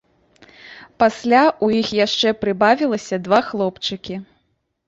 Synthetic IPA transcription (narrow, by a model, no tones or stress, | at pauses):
pasʲlʲaʔujixjaʂt͡ʂɛpɾɨbavʲilˠɐsʲɐd̪vaxlˠɔpt͡ʂɨkʲi